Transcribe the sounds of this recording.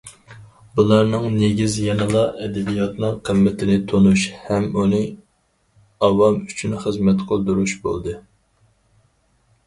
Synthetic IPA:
bulˠɑɾnɨŋneɡʲizjɛnɨlˠɑʔɛd̪ɛbijɑt̪nɨŋqʰəmːɪt̪ʰɪnɪt̪ʰonuʃhɛmunɨ | ɑwɑmyt͡ʃʰynχəzmɛt̪qʰolˠd̪uɾuʃbo̰lˠd̪ɨ

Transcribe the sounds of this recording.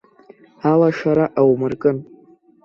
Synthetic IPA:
alaʃaɾaʔawmɨrkʼɨn

